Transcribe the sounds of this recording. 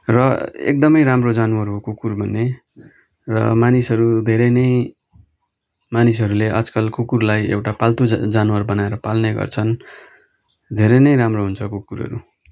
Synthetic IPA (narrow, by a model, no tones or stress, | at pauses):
rʌḛk̚d̪ʌmʌjɾamrod͡zanwaɾkukurbʱʌnːe | rʌ̰manisʌɾud̪ʱeɾenʌj | manis̬ʌɾuleʔʌ̰d͡zkʌlkʰukurlajḛwʈapalt̪ud͡zanwarbʌnaeɾʌpalneɡʌ̰rt͡sʰʌn | d̪ʱeɾenʌjɾamroɦunt͡sʰʌkukuɾʌ̰ɾṵ